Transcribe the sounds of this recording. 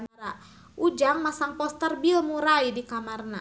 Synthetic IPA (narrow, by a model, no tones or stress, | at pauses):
ɾa | ʔud͡ʒaŋmasaŋpɔst̪ərbilmuɾaidikamarna̰